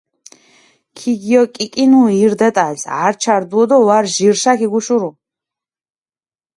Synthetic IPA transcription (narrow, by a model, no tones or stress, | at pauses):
kʰiɡijɔkʼikʼinuiɾd̪ɛt̪ʼasa̰ɾt͡ʃʰaɾd̪uɔd̪ɔwaɾʒiɾʃakʰiɡuʃuɾu